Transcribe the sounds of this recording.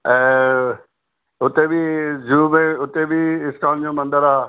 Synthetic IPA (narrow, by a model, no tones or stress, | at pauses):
ɛ̃ː | ʊt̪ebʱid͡ʒuːmẽʊt̪ebiɪskaːnd͡ʑõːmə̃nd̪əɾaː